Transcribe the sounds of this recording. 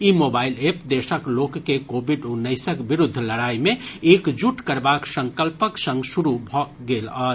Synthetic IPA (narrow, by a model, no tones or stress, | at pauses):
imobailepd̪esəklokːekobiɖunəjsəkbiɾud̪ʱːləɽaimeekd͡ʒuʈkəɾbaksə̃ŋkəlpəksə̃ŋɡsuɾubʱɔɡelə